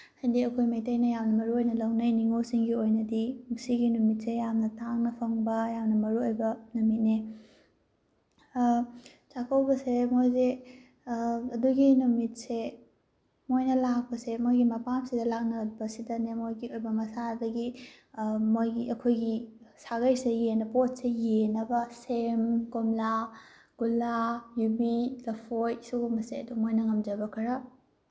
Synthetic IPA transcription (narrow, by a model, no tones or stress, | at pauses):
hajdiɐkʰojmɐjtɐjnɐjawnɐmɐɾuojnɐlɐwnɐjniŋosiŋɡiojnɐdimsiɡinumit̚sejamnɐtaŋnɐpʰɐŋbɐjamnɐmɐɾuojbɐnumit̚ne | t͡ʃakɐwbɐsemojze | ɐduɡinumit̚se | mojnɐlak̚pɐsemojɡimɐpamsidɐlak̚nɐt̚bɐsidɐnemojɡiojbɐmɐsadɐɡi | mojɡiɐkʰojɡisaɡɐjsejenɐpot̚sejenɐbɐsemkomla | ɡ̥ulajubilɐpʰojsuɡumɐseɐdumojnɐŋɐmd͡ʒɐbɐkʰɐɾɐ